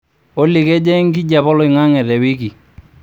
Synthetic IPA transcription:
o˦li˨kɛ˦d͡ʒɛ˦ŋ˦ki˦ɟa˨pɔ˦lɔ˨ɪ˨ŋa˦ŋɛ˨ɾɛ˨wi˦ki˨

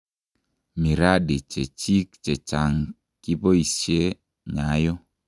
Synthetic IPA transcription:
mi˨ɾa˦di˨t͡ʃe˨t͡ʃi˦kt͡ʃe˨t͡ʃa˨ŋ | ki˦po˦i˨sje˦ | ɲa˨˦jɔ˦

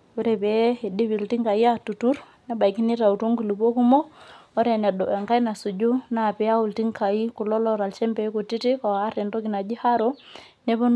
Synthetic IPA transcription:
wu˦ɾɛ˨bɛ˨˦e˨di˦bi˨lti˦ŋka˨i˦a˦tu˨tu˦ɾ | nɛ˦ba˨jki˦ni˦ɾa˨u˨tu˦ŋɡu˨lu˨bo˦ku˦mɔ˦ɔ˦ɾɛ˨nɛ˨ɗɔ˨ɛ˨ŋka˦jna˨su˨d͡ʒu˦na˨pɛ˨˦a˦wu˨lti˦ŋka˨i˦ku˨lɔ˦lɔ˦ɾa˨lt͡ʃɛ˦mbɛ˨i˦ku˨ti˦ti˦kɔː˨˦ɾɛ˨ndɔ˦ki˨na˨d͡ʒi˦ha˦ɾɔ˦ | nɛ˦bo˦n

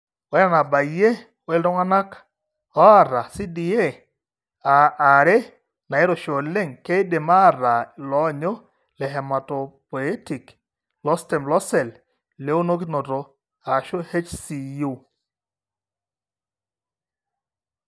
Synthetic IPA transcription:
ɔ˨˦ja˦na˨ba˨je˦ | wɛ˦ldɔ˦ŋa˦na˦k | ɔ˦a˦˨ɾa˨si˦di˨e˦ | a˨a˨ɾe˦ | na˨ɪ˦ɾo˨ʃo˨le˦ŋke˦ɪ˦de˨ma˦ɾa˨lɔ˦ɲo˦ | lɛ˨ɦɛ˨ma˨to˨pɔ˨e˦ti˨k | lɔ˦stɛ˨mlɔ˦sɛ˨l | le˦o˦no˦kno˨to˨ | a˨ʃo˦he˦t͡ʃsi˨ju˦

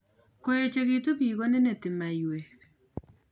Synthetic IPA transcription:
ko˦jo˨t͡ʃe˨kɪ˦to˦bi˨ɡo˦ne˦ne˨tɪ˨ma˨jwe˨k

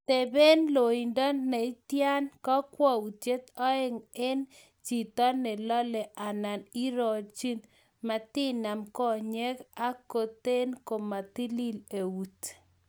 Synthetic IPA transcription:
t̪e˨be˦nlo˨i˨ndɔ˦ne˨i˦tja˦nkɔ˦kwɔ˦u˨t͡ʃe˦t̪ɔ˦e˦ŋe˦n | t͡ʃi˨t̪ɔ˦nɪ˨lɔ˦lɛ˨ʔa˨na˨ni˦ɾɔ˨t͡ʃi˦n | ma˨tɪ˦na˨mkɔ˦ɲɛ˦ka˦ko˨t̪e˦nko˨ma˨t̪i˦li˦le˨wu˨t

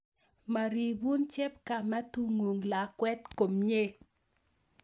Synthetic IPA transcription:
ma˨ɾi˨bu˦nt͡ʃe˦pka˨mɛ˦tu˦ŋu˨ŋla˨kwɛ˦t̪ko˨mɲe˦

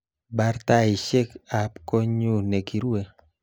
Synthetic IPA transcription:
ba˦ɾta˦i˨ʃe˦ka˨pko˦ɲu˦˨ne˨ki˨ɾe˦

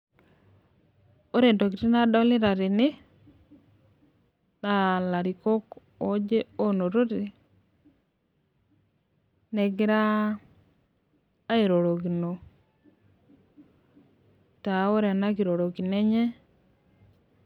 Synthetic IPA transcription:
o˦ɾe˨nto˨ki˨ti˦na˦dɔ˦lɪ˦ɾa˨ɾɪ˨nɪ˦ | na˦la˨ɾi˨ko˦k | o˦d͡ʒe˦o˦no˨ɾo˦ti˨ | ne˨kɪ˦ɾa˦ | i˨ɾo˨ɾo˨ki˨no˨ | ta˨˦o˦ɾe˨na˦ki˨ɾo˨ɾo˨ki˨ne˦ɲɛ˦

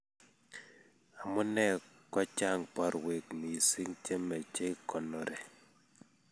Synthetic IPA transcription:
a˨mʊ˦nɛ˦˨ | kɔ˦t͡ʃa˦˨ŋpɔ˦ɾwe˨kmi˨si˦ŋt͡ʃe˦mɛ˨t͡ʃe˦kɔ˨nɔ˨ɾe˨

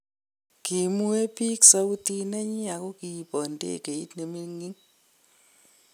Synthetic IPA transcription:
ki˨mu˦e˦pi˦ksa˦u˦ti˦na˦ɲi˦a˨ko˦ki˦˨pɔ˨ndḛ˦˨ke˨i˦tne˨mi˦ŋi˦ŋ

